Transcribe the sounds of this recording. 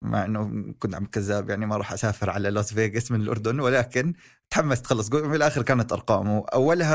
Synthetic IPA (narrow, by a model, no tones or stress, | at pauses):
mʔa̰ʕʔɪnːʊkʊnt̪ʕamːalkazːaːbjaʕnimaɾˤɑːħʔasaːfɪɾʕa̰lalosˤveːɡɪsmɪnɪlʔʊ̰ɾˤd̪ʊnwɪlaːkɪn | t̪ħamːast̪xɑlːɑsˤɡʊʔɪlʔaːxɪɾkaːnat̪ʔɑ̰ɾˤqɑ̰ːmʊʔa̰wːalha